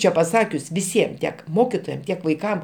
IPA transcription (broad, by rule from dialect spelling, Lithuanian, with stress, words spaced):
ˈt͡ʃʲɛ pɐˈsɑːkʲʊs ʋʲɪˈsʲiɛm tʲiɛk ˈmoːkʲɪtoːjɛm ˈtʲiɛk ʋɐɪˈkɐm